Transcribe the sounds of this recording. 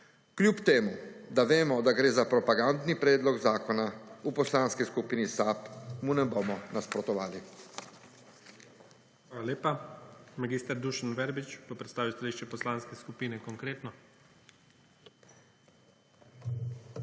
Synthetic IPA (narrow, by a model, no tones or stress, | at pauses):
klʲjupt̪eːmud̪aʋeːmɔd̪aɡɾeːzapɾɔpaɡand̪nipɾɛːd̪lɔɡzaːkɔnaupɔslaːnskiskupiːnisaːpmunɛboːmɔnaspɾɔt̪ɔʋa̰ːli | ʋaːlaleːpamaɡiːst̪ɛɾd̪uʃanʋɛɾbit͡ʃpɔpɾɛt̪st̪aːʋiwst̪aliʃt͡ʃɛpɔslanskɛskupiːnɛkɔŋkɾeːt̪nɔ